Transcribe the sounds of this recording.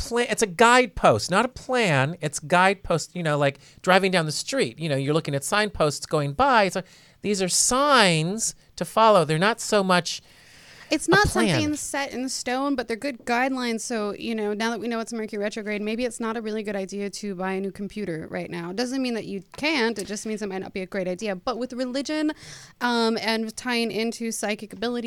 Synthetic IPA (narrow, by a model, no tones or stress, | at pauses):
pʰl̥æɨtsɨɡaɪd̚pʰoʊstⁿnəɾəpʰl̥æ̃nɪtsɡaɪd̚pʰoʊstjɨnoʊlaɪk̚ | d̥ɹaɪvɪ̃ŋdãʊnðəstɹ̥it̚jɨnoʊjə˞lʊkɪ̃ŋɨtsãɪ̃npʰoʊstsɡ̥oʊɪ̃ŋbaɪɨs | ðizə˞sãɪ̃nz̥ | tʰɨfɑlˠoʊðə˞nətsoʊmʌt͡ʃ | ɨtsnətsʌ̃mɪ̃ŋɨ̃nəsɛɾɨ̰̃nðɨstõʊ̃nbʌt̪̚ðə˞ɡʊd̚ɡaɪdˡlãɪ̃nz̥soʊjɨ̰noʊnaʊðət̚winoʊwətsmɛ˞kiɹɛt͡ʃɹ̥ɨʊɡɹeɪd̚meɪbiɨtsnəɾɨɹɪlˠiɡʊɾaɪdiɨɾɨbaɪɨnʉkʰm̩pʰj̥ʉɾə˞ɹa̰ɪtⁿnaʊdʌzɨ̃nmĩnðɨt͡ʃɨkʰæ̃ntɨt̚d̥ʒ̥ʌsmĩnzaɪt̚maɪtⁿnə̰t̚b̥iɨɡɹeɪɾaɪdiɨb̥ʌt̚wɨðɹɨlɪd͡ʒɨ̃nʔʌ̃mɨ̃ntʰaɪɪ̃ŋʔɪ̃ntʰʉsaɪkɨkəbɪlˠəɾi